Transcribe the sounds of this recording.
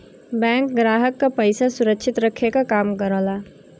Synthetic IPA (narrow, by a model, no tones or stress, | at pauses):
bɛ̃ːŋkɡɾaːɦəkːapɐɪsasʊɾəkʃʰɪt̪ɾɐkʰekakaːmkɐɾoːlaː